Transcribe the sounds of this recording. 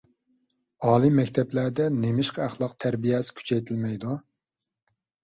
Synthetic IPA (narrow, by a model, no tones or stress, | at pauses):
ɑːlˠɨmɛkʲt̪ʰɛplæɾd̪ɛnemɪʃqʰæχlˠɑqt̪ʰæɾbijɛsɪ̥kʲʰy̥t͡ʃʰɛjt̪ʰilmɛjd̪u